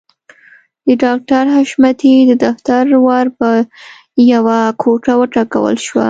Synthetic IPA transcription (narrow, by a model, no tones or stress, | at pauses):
d̪əɖɑk̚ʈaɾɦaʃmat̪id̪əd̪aft̪aɾwɑɾpə | jawakʰoʈawəʈɑka̰wə̰lʃwa̰